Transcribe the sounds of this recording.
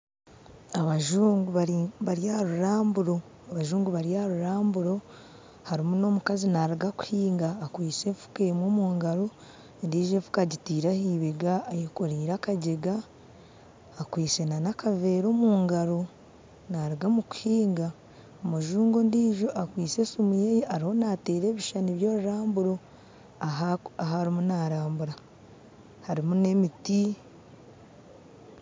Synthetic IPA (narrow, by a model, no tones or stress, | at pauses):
aβaʒuːŋɡuβaβaɾjahaɾuɾaːmbuɾo̞ | aβaʒuːŋɡuβaɾijahaɾuɾaːmbuɾo̞ | haɾimuno̞ːmukazinaɾiɡaku̥hiːŋɡaːkwiːse̞fu̥keːmwoːmuːŋɡaɾo | ndiːʒeɱfu̥kaɟitiːɾahiːβeɡaːjekoɾiːɾakaɟeɡa | kwiːse̞nanakave̞ːɾo̞ːmuːŋɡaɾo | naɾiɡamuku̥hiːŋɡa | omuʒuːŋɡo̞ndiːʒoʔakwiːse̞sumujejiʔaɾiho̞naːte̞ːɾe̞ːβiʃaniβjo̞ːɾuɾaːmbuɾo̞ | aaɦaɾimunaːɾaːmbuɾa | haɾimune̞miti